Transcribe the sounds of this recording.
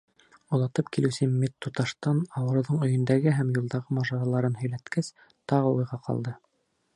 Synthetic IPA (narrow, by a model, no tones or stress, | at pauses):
ulˠɑt̪ɤpkilɘ̆sɘmʲet̪ːut̪ɑʃt̪ɑnɑwɤ̆ɾɤ̆wðɤɴɵ̆jɵ̆nd̪æɡɘɦæmjulˠd̪ɑʁɤmɑʒɑɾɑlˠɑɾɤnɦɵ̆jlæt̪kæs | t̪ɑʁɤujʁɑqʰɑ̰lˠd̪ɤ